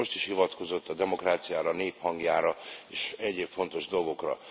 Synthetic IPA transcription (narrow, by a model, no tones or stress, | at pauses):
o̞ʃt̪iʃhivɒt̪ko̞zo̞t̪ːɒd̪ɛmo̞kraːt̪sijaːɾɒneːphɒŋɡjaːɾɒeːʃɛɟeːpfo̞nt̪o̞ʒd̪o̞lɡo̞krɒ̰